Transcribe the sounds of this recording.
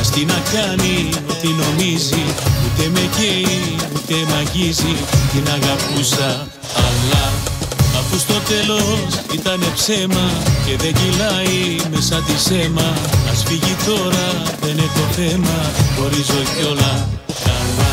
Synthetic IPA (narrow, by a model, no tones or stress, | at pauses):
ɐst̪inɐkɐnio̞t̪ino̞miziut̪e̞me̞ʝeiut̪e̞mɐʝizit̪inɐɣɐpusɐː | vlɐ | ɐfust̪o̞t̪e̞lo̞sit̪ɐne̞pse̞mɐce̞ðe̞ɟilɐime̞sɐt̪ise̞mɐmɐsfiʝit̪o̞ɾɐðe̞net̪o̞θe̞mɐxo̞ɾizo̞ço̞lɐkɐnɐ